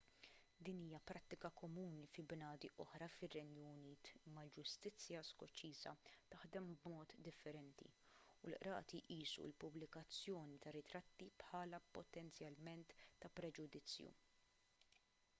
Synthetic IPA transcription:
d̪iːniːjɐpɾɐt̪ːɪkɐkɔmuːnifɪbnɐːd̪iʔɔħɾɐfɪrːɛnjuniːt̪mɐld͡ʒʊst̪ɪt͡sːjɐskɔt͡ʃiːzɐt̪ɐħd̪ɛmbmɔːt̪d̪ɪfːɛɾɛnt̪ḭ | ʊlʔɾɐ̰ːt̪iʔiːsṵlpʊblɪkɐt͡sːjɔːnit̪ɐɾɪt̪ɾɐt̪ːipħɐːlɐpɔt̪ɛnt͡sjɐlmɛnt̪ːɐpɾɛd͡ʒʊd̪ɪt͡sːjṵ

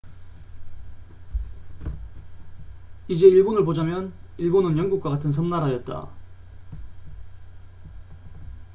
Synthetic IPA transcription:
id͡ʑe̞iɭbonɯɭpod͡ʑamjʌniɭbonɯnjʌnɡuk͈waɡatʰɯns̬ʰʌmnaɾajʌt̚t͈a̰

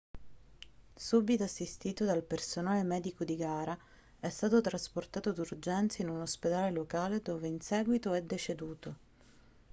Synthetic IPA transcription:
subit̪oasːist̪iːt̪od̪alpersonaːlemɛːd̪ikod̪iɡaːɾa | ɛst̪aːt̪ot̪ɾasport̪aːt̪od̪urd͡ʒɛnt̪sainunosped̪aːlelokaːled̪oːveinsɛːɡwit̪oɛd̪ːet͡ʃed̪uːt̪o

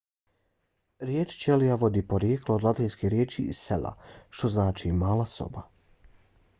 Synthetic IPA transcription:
ɾjeːt͡ʃt͡ʃelijaʋo̞d̪ipoɾjeːklod̪lat̪inskeɾjeːt͡ʃiːsḛla̰ʃt̪o̞znaːt͡ʃimaːlˠaso̰ba

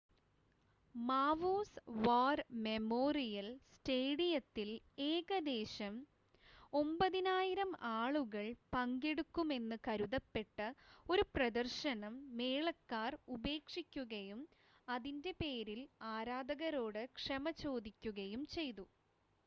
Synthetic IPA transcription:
maːʋoːsʋaːrme̞mo̞ːrijɐlsʈeːɽijɐt̪ːil | e̞ːɣɐd̪e̞ːɕɐm | o̞mbɐðinaːjiɾɐmaːɭuɣɐɭpɐŋɡeɽukːume̞nːɨkɐɾuðɐpːe̞ʈːɨo̞ɾuprɐd̪ɐrɕɐnɐmːe̞ːɭɐkːaːrube̞ːkʂikʲːuɣɐjum | ɐðinde̞pe̞ːɾilaːɾaːd̪ɐɣɐɾo̞ːɽɨkʂɐmɐt͡ɕo̞ːd̪ikʲːuɣɐjumt͡ɕe̞jt̪u

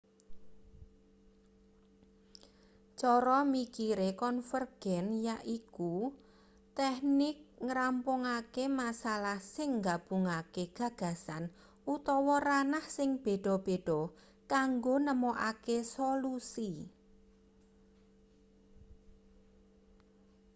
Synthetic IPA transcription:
t͡ʃɔɾɔmikiɾekɔnfərɡ̥ɛnjaʔiku | t̪ɛhnɪk̚ŋɾampʊŋakemasalahsɪŋɡab̥ṳŋakeɡ̥ä̤ɡ̥ä̤san | ut̪ɔwɔɾanahsɪŋb̥e̤ɖ̥ɔ̤b̥e̤ɖ̥ɔ̤ | kaŋɡonəmɔʔakesolusi

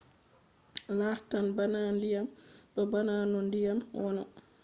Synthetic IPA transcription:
laːhtanbanaːndijambɛbanaːnɔndijamwɔnɔ̰

